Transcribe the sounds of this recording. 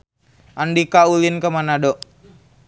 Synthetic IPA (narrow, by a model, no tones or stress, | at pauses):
ʔandikaulinkəmanadɔ